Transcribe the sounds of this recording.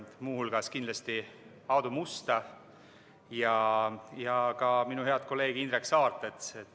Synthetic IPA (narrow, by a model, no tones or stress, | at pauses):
muːhulɡ̥ɑskind̪lɑst̪i | ɑwd̪umust̪ɑ | jɑjɑkɑminuhe̞ɑd̪̥̚ko̞lːe̞ːɡ̥iind̪ɾeksɑːrt̪ːˑet̪set̪ː